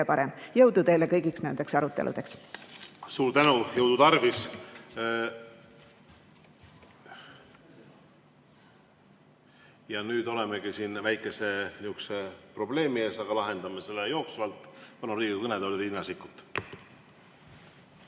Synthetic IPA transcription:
epɑɾemjɤwd̪ut̪e̞jlekɤjɡiksnænd̪̥e̞ksɑɾut̪ːˑelʔṵd̪̥e̞ks | suːɾt̪ænujɤwd̪ut̪ɑrvis | jɑnyːd̪o̞lemeɡ̥isiːnvæjkːˑe̞se̞niuksepro̞b̥le̞ːmie̞ːsɑɡ̥ɑlɑɦe̞nd̪̥ɑmese̞lːejo̞ːksuvɑlt̪ːˑvɑnuɾiːɡiikɤned̪llinːɑsikːut̪ːˑ

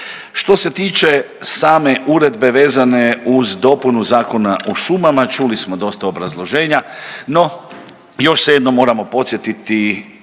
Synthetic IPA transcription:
ʃt̪o̞se̞t̪iːt͡ʃe̞ | saːme̞ʔuɾe̞d̪be̞ʋe̞ːzane̞uzd̪o̞punuzaːko̞naʔoʃumamat͡ʃulismo̞d̪o̞st̪aobɾazlˠo̞ʒe̞ːɲano̞ | jo̞ʃsejed̪no̞mːo̞ːɾamo̞po̞t̪sjet̪it̪i

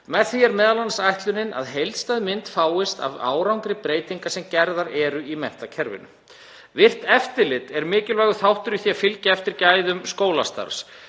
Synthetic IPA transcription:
mɛðθiɛɾmɛːðalansajht̪lʏnɪna̰ðɦejlt̪st̪ajðmɪnt̪faːwɪst̪a̰va̰ːwɾawŋkɾɪpɾeːjt̪iŋkasɛmcɛɾðaɾɛɾʏimɛjh̪t̪acʰɛɾvɪ̰nʏ̰ | vɪr̥t̪ɛft̪ɪlɪt̪ɛɾmɪːcɪlvɛːɣʏθawht̪ʏɾiθiafɪlcaɛft̪ɪɾcaːjðʏmskoːwlast̪a̰ɾs

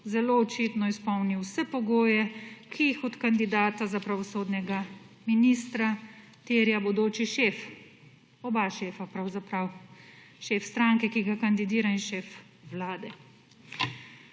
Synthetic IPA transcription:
zɛloɔt͡ʃit̪nɔispɔwniwsɛpɔɡoːjɛkʰiixɔt̪kand̪id̪aːt̪azapɾaʋɔsoːd̪nɛɡaminist̪ɾa | t̪eːɾjabɔd̪oːt͡ʃiʃeːf | ɔbaʃeːfapɾawzapɾaw | ʃeːfst̪ɾaŋkɛkiɡakand̪id̪iːɾainʃeːf | wlaːd̪ɛ

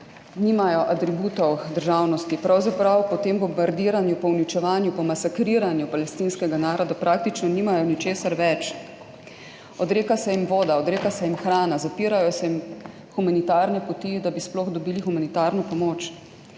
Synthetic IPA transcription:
nimajɔʔat̪ɾibuːt̪ɔwd̪əɾʒaːwnɔst̪ipɾawzapɾawpɔt̪eːmbɔmbaɾd̪iːɾanjupɔwnit͡ʃɛʋaːnjupɔmasakɾiːɾanjupalɛst̪iːnskɛɡanaːɾɔd̪apɾʔaːk̚t̪it͡ʃnɔnimajɔnit͡ʃeːsaɾʋɛt͡ʃ | ɔd̪ɾeːkasɛjimʋoːd̪aɔd̪ɾeːkasɛjimxɾaːnazapiːɾajɔsɛjim | xumanit̪aːɾnɛpɔt̪id̪abisplɔxd̪ɔbiːlixumanit̪aːɾnɔpɔmoːt͡ʃ

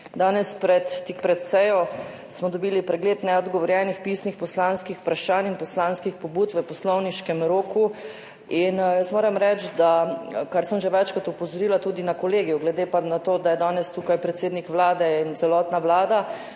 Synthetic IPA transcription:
d̪aːnɛspɾɛt̪ːikpɾɛt̪sɛjɔ | smɔd̪ɔbiːlipɾɛɡleːt̪nɛɔd̪ɡɔʋɔɾjɛnixpisnixpɔslanskixpɾaʃaːninpɔslaːnskixpɔbuːt̪ʋəpɔslɔwniʃkɛmɾoːku | injəsmoːɾɛmɾɛt͡ʃd̪akaɾsəmʒɛʋɛt͡ʃkat̪upɔzɔɾiːlat̪uːd̪inakɔleːɡijuɡlɛd̪eːpanat̪oːd̪ajɛd̪aːnɛst̪ukajpɾɛt̪seːd̪nikʋlaːd̪ɛint̪sɛlɔːt̪naʋlaːd̪a

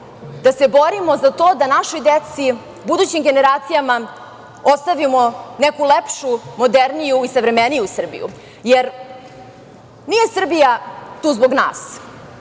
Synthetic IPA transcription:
d̪̥ase̞boɾimozat̪oːd̪anaʃojd̪et̪si | bud̪ut͡ɕimɡe̞neɾaːt̪sijama | ost̪aʋimonekulepʃumod̪eɾnijuisavɾe̞menijusr̩bḭjṵ | jeɾ | nije̞sr̩bijat̪uːzboɡna̰ːs

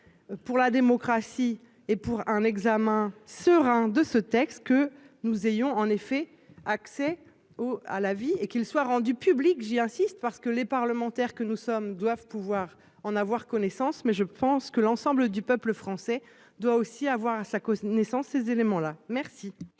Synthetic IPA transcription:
puʁlad̪emɔkχasi | epuʁɛ̃nɛɡzamɛ̃səʁɛ̃d̪əsət̪ɛkst̪̚kə | nuzejɔ̃ɑ̃nefɛ | aksɛ | oa̰laviekilswaʁɑ̃d̪ypyblikʒiɛ̃sist̪paʁsə̥kəlepaʁləmɑ̃t̪ɛʁkənusɔmd̪wavpuvwaʁ | ɑ̃navwaʁkɔnesɑ̃smɛʒəpɑ̃skəlɑ̃sɑ̃bləd̪ypœpləfχɑ̃sɛ | d̪waosiavwaʁasakɔnesɑ̃sːezelemɑ̃lamɛʁsi

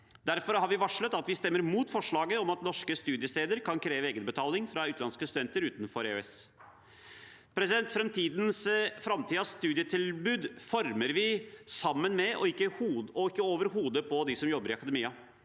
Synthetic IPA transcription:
d̪æɾfɔɾhɑɾʋɪʋɑʂɭət̪ɑt̪ʋɪst̪ɛmːəɾmuːt̪fɔʂɭɑːɡəɔmɑt̪nɔʂkəst̪ʉːd̪ɪəst̪eːd̪əɾkʰɑnkʰɾeːʋəeːɡənbət̪ʰɑːlɪŋfɾɑʉːt̪lɑnskəst̪ʉd̪ɛnt̪əɾʉːt̪nfɔɾḛɛs | pʰɾɛsɪd̪ɛnt̪fɾɛmt̪ʰiːd̪nsfɾɑmt̪ʰiːd̪ɑsst̪ʉːd̪ɪjət̪ʰɪlbʉːd̪fɔɾməɾʋɪsɑmːənmɛʔɔ̰ɪkːəhuːɔɪkːəoːʋəɾɦuːd̪əpʰɔd̪ɪsɔmjɔbːəɾɪɑkɑd̪əmiːɑ

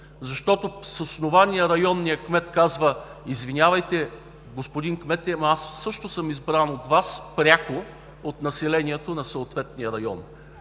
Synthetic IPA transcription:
zɐʃt̪ɔt̪ososnovanijəɾɐjɔnːijəkmɛt̪kazvəizvinʲavɐjt̪ɛ | ɡospʊd̪iŋkmɛt̪ɛmasːɤʃt̪ʊsɤmizbɾanot̪vaspɾʲako | ot̪nɐsɛlɛniɛt̪onɐsoot̪vɛt̪nijəɾɐjɔ̰n

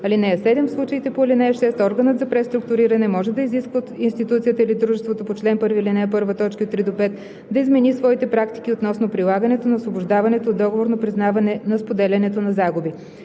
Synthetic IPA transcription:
ɐlinɛɛsɛd̪ɛmslˠut͡ʃəit̪ɛpolinɛɛʃɛst̪ɔɾɡənət̪zɐpɾɛst̪ɾʊkt̪ʊɾiɾɐnɛmɔʒɛd̪ɐiziskvət̪inst̪it̪ut̪sijət̪əilid̪ɾuʒɛst̪vot̪opot͡ʃlɛnpɤɾvilinɛɛp̬ɤɾvət̪ɔt͡ʃkəot̪ːɾid̪opɛt̪ | d̪ɐizmɛnisvɔit̪ɛpɾakt̪i̥k̟iot̪nɔsnopɾilˠaɡɐnɛt̪onɐosvoboʒd̪avɐnɛt̪oːd̪ɔɡovoɾnopɾiznavɐnɛnɐspod̪ɛlʲɐnɛt̪onɐzaɡubi

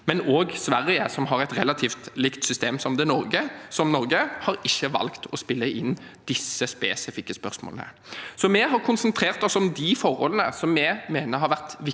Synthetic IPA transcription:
mɛnoːɡsʋæɾɪə̰sɔmɦɑɾæɪt̪ɾɛlːɑt̪ʰiːft̪lɪkt̪sʏst̪eːmsɔmd̪ɛnɔɾɡəsɔmnɔɾɡəhɑɾɪçːəʋɑ̰lkt̪ʰɔspɪlːəʔɪnː | d̪̥ɪsːəspeːsɪfɪkːəspœʁsmo̰lnə̰ | sɔmɛɦɑɾkʰʊnsənt̪ʰɾeːʁt̪ɔsɔmd̪ifɔʁhɔ̰lənə̰sɔmjɛmeːnəɾhɑɾʋæʁt̪ʋɪ

